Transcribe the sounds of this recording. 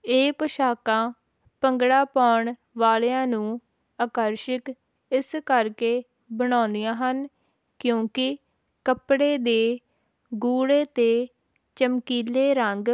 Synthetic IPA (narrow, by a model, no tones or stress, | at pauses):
eːpəʃaːkãː | pəŋɡɽaːpaːɳ | ʋaːlejãːnũː | əkəɾʃək | ɪskəɾkeː | bəɽ̃ãːnd̪ijãːɦən | kjõːkɪ | kəpɽeːd̪eː | ɡuːɽeːt̪eː | t͡ʃəmkiːleːɾəŋɡ